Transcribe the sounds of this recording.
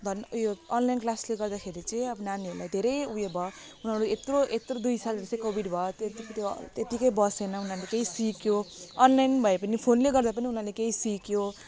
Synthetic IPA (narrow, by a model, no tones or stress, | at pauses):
d̪ʱʌnjoʌnlajnklasleɡʌrd̪akʰeɾit͡sʌĩʌbʌnaniʌɾulajd̪ʱeɾʌjujebʱʌ | unɦʌɾuet̪roʔet̪rod̪ujsalɾesekobiɖbʱʌt̪t̪t̪jot̪et̪ikʌjbʌsenʌunarlekeĩsikjoʌnlajnbʱʌepʌnipʰonleɡʌrd̪apʌniunalekeĩsikjo